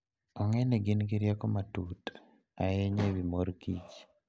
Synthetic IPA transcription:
ɔŋɛneɡɪnɡiɾjakomatut | a̰ɛɲebimoɾkit͡ʃ

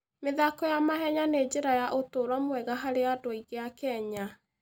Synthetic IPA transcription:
meðakɔjamaɦɛɲaned͡ʑeɾajaʔotoɾwamwɛɣaɦaɾeadoiɣeakɛɲa

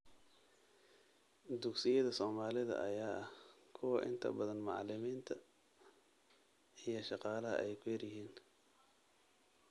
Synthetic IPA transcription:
d̪ʊksɪjɐðɐsɔːmaːlɪðɐ̰ʔɐ̰jaːɐhkʰʊwɐʔɪ̰nt̪ʰɐ̰bɐðɐnmɑʕlɪmiːnt̪ʰɐ | ijɞʃɑqɑːlɐɦɐ̰ʔɛjkʰʊjɐrjɪɦiːn

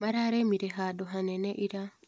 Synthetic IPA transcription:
maɾaɾemiɾeɦadoɦaneneʔiɾa

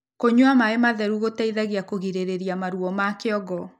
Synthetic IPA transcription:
koɲwamaemaðɛɾuɣotaiðaɣiakoɣiɾeɾeɾiamaɾuɔmakeɔɡɔ

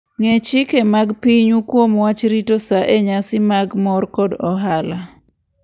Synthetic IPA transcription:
ŋet͡ʃikemaɡpiɲukwomwat͡ʃɾitosaʔeɲasɪmaɡmɔrkɔdɔɦala

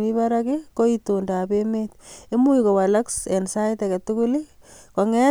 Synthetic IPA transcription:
mibaɾakekoitondapemet̚emujikowalaksensaitaketukulikoŋɛ

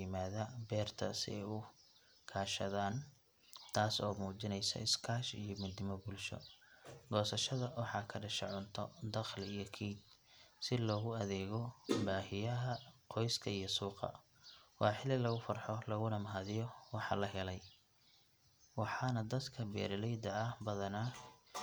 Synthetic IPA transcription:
ɪmaːðɐbɛːrt̪ʰɐ̰sɪ̰ɛjʊ | kʰaːʃɐðaːn | t̪ʰaːsɔːmuːt͡ʃɪnɛjsɐ̰ɪskʰaːʃḭjɔmʊd̪ɪmɔbʊlʃɔ̰ɡɔːsɐʃɐðɐwɑħɑːkʰɐɖɐʃɛʕʊnt̪ʰɔd̪ɐχlɪijɞkʰiːd̪̚sɪlɔːɣʊɐðɛːɣɔbaːhɪjɐɦɐqʰɔjskʰɐijɔsuːqɑ̰ | wɑːħɪlɪlɐɣʊfɐrħɔlɐɣʊnɐmɦaːðɪjɔwɑħɑ̰ːlɐɦɛlɛj | wɑħɑːnɐd̪ɐd̪kʰɐbɛ̰ːɾlɛjd̪ɐːhbɐðɐnaː

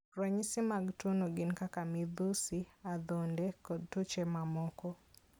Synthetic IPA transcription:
ɾɛɲisɪmaɡtonoɡɪnkakamɪd̪usiad̪ondɛkɔd̚tot͡ʃɛmamɔkɔ

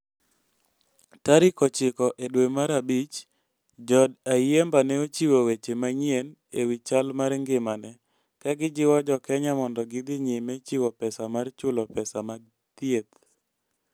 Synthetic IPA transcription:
taɾɪkɔt͡ʃɪkɔʔedwemaɾabit͡ʃ | d͡ʒɔdajembanɛot͡ʃiwowet͡ʃemaɲien | ewit͡ʃalmaɾŋɡɪmanɛ | kaɡɪd͡ʒɪwad͡ʒɔkɛɲamɔndɔɡɪd̪ɪɲimɛt͡ʃiwɔpɛsamart͡ʃʊlɔpɛsama | t̪jet̪

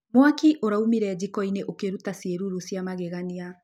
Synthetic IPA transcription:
mwakiʔoɾaumiɾɛd͡ʑikɔineʔokeɾutasieɾuɾosjamaɣeɣania

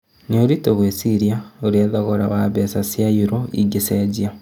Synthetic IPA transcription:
nioɾitoɣwesiɾjaoɾiaðaɣoɾawaβesasjajiɾoḭɡesed͡ʒia

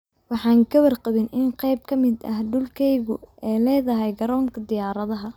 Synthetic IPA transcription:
wɑħɑːŋkʰɐwɐrqɑβɪnʔɪnqɛjb̚kʰɐmɪd̪ɐhɖʊlkʰɛjɣʊʔɛjlɛːðɐɦɛjɡɐɾɔːŋkʰɐd̪ɪjaːɾɐðɐɦɐ

